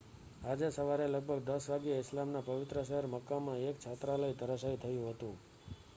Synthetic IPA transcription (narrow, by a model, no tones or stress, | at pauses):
ad͡ʒesəʋaɾeləɡ̚bʱəɡd̪əsʋaɡijəɪslamnapəʋɪt̪ɾəʃəɦəɾməkːamãek̚t͡ʃʰat̪ɾaləid̪ʱəɾəsait̪ʰəjũɦət̪ũ